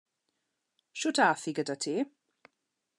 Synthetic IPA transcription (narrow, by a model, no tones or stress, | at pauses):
ʃʊtʰaθiɡədatʰiː